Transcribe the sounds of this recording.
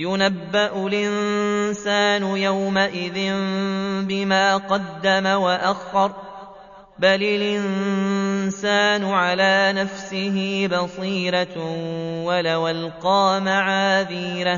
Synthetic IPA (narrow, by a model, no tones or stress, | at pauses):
jʊnabːaʔʊlʔɪnsaːnʊjawmaʔɪðɪnmbɪmaːqɑd̪ːamawaʔaxɑɾˤ | balɪlʔɪnn | saːnʊʕalaːnafsɪɦɪbɑsˤiːɾa | walawalqɑːmaʕaːðiːɾa